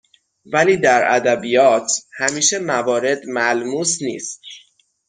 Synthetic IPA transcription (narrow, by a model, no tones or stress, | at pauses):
væliːd̪æɾʔæ̰d̪æbijɒːt̪ʰhæmiːʃe̞mævɒːɾe̞d̪mælmuːsnḭːst̪̚